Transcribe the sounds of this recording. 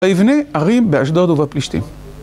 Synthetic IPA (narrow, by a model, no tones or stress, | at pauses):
aivneaʁimbeaʃ̬d̪od̪uvapliʃt̪ḭm